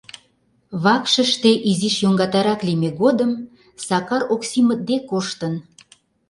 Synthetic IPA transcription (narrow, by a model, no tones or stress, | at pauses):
βɑkʃə̆ʃt̪eʔiziʃjoŋɡɑt̪ɑɾɑklimeɣod̪əm | sɑkɑɾoksimə̆d̪ekoʃt̪ən